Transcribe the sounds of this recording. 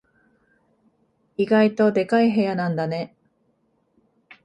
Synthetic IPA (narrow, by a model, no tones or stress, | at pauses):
iɡait̪o̞d̪e̞kaiɦe̞janãnd̪ane̞